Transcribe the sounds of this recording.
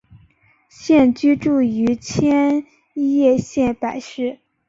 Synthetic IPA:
ɕjɛ˥˩nt͡ɕy˥ʈ͡ʂu˥˩y˧˥t͡ɕʰjɛ˥n | i˥jɛ˥˧ɕjɛ˥˩npa˨˩ɪʂɻ̩˥˩

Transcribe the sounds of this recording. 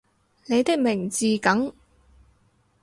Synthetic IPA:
ne˨˧jt̪ɪ˥k̚mɪ˨˩ŋt͡siː˨kɐ˨˥ŋ

